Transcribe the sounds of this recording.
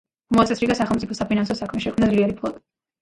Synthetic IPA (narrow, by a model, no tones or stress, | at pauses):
mɔt̪sʼɛsɾiɡasaχɛlˠmt̪sʼipʰɔsapʰinansɔsakʰmɛʃɛkʰmnad̪zliɛɾipʰlˠɔt̪ʼi